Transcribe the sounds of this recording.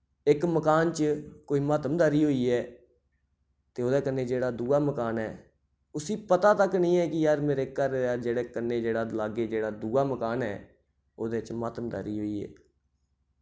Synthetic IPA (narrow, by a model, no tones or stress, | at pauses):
ɪkməkaːnt͡ʃəkoːiːmət̪əmd̪aɾiːɦoːiːɛː | t̪eːoːd̪eːkənːeːd͡ʒeːɽaːd̪uːaːməkaːnɛː | ʊsiːpət̪aːt̪əknĩːɛːkɪjaːɾmeːɾeːkːəɾjaːɾd͡ʒeːɽeːkənːeːd͡ʒeːɽaːlaːɡeːd͡ʒeːɽaːd̪uːaːməkaːnɛ̰ː | oːd̪eːt͡ʃmat̪md̪a̰ːɾiːɦoːiːɛ̰ː